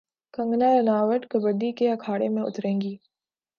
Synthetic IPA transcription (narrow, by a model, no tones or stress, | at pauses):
kə̃ŋɡnaɾɐnaːʋəʈkəbəd̪ikeɐkʰaːɽemẽʊ̰t̪ɾẽːŋɡiː